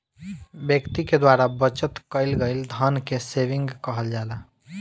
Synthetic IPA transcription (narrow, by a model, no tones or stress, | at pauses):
bjəkt̪iked̪waɾabət͡ʃət̪kəɪlɡəɪld̪ʱənkeseʋiŋɡkəɦəld͡ʒala